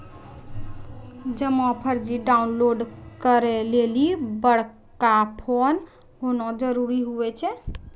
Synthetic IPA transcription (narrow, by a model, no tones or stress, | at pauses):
d͡ʒəmɔ̃pʰəɾd͡ʒiɖaunloɖkəɾɛlelibəɽ̤ | kapʰon | ɦonɔd͡ʒəɾuɾiɦuɛt͡ʃʰɛ